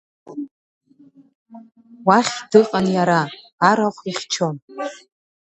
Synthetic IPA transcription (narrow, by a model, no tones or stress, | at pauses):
waχʲd̥ɨqʼanjaɾaː | ɾaχʷiχʲt͡ʃʰon